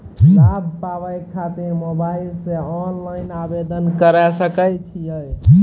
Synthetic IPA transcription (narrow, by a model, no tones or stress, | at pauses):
sabpabajlkʰat̪emobailseɔnlajnabed̪ənkəɾɛsəkət͡ʃʰijəj